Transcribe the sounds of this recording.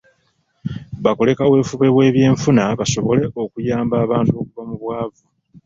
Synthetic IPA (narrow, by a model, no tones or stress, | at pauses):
βako̞le̞kawe̞ːfuβe̞we̞ːβje̞ːɱfunaβaso̞βo̞le̞ʔo̞kujaːmbaːβaːntuokuvamuβwaːvu